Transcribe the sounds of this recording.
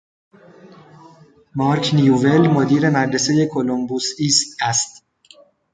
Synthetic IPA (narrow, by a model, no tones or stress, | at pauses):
mɒːɾkʰnijuve̞lmod̪iːɾe̞mæɾɾeseje̞kʰolombuːsiːst̪æst̪